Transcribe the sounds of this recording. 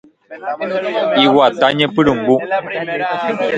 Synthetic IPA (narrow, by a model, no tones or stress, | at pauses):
iwat̪aɲəpɨɾɨŋ̩ɡu